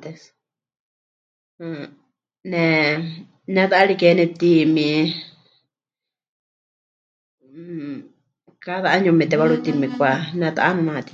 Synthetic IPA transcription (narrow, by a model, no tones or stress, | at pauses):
t̪es | nẽ | nãðaʔaɾikenĩt̪imĩ | kaðaaɲũmĩt̪eβaɺut̪imĩkʷanãða̰ʔanũãt̪i̥